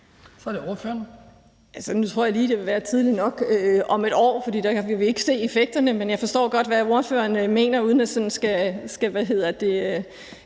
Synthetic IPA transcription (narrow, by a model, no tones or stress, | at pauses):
sɒ̽ɾ̥eo̝ɐføɐn | ælsənut͡sʰʁoɐ̰jliːd̥e̝ʋe̝ʋæːɐt͡sʰið̞ˠlinɒ̽ɡ̥øɒ̽me̝d̥ɒ̰ːfɒd̥ḭːd̥ɑʋiʋe̝e̝ɡ̥ə̥se̝̰ːe̝feɡ̥̚d̥ɐnəmenjɑ̈ɪfɒ̽sd̥ɔ̰ːɡ̥ɒ̽d̥ʋæo̝ɐføːɐnme̝̰ːnɐuːð̞ˠnæd̥sɒ̽nn̩sɡ̥æsɡ̥æʋæɦe̝ð̞̰ˠɐd̥e̝